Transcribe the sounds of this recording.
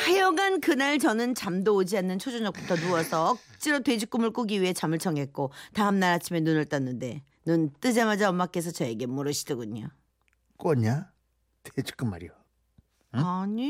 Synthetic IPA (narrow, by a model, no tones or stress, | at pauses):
hejʌɡankɯnaɭt͡ɕʌnɯnt͡ɕamdoːd͡ʑianːɯnt͡ɕʰod͡ʑuɲʌk̚p͈utʰʌnuʌsʰʌʌk̚t͡ɕ͈iɾotwe̞d͡ʑuk͈umɯɭk͈oɡiɥiɦe̞t͡ɕamɯɭt͡ɕʰʌŋɦe̞k̚k͈otaɦɯmnaɾɦat͡ɕʰimenunɯɭt͈ʌnːɯnde̞ | nɯnt͈ɯd͡ʑemad͡ʑaʌmːak͈e̞s̬ʰʌt͡ɕʌe̞ɡe̞moɾɯɕʰid̥ʌɡuɲo | k͈ʌɲa | ted͡ʑu̥k͈ɯmːaɾḭjo | aɲi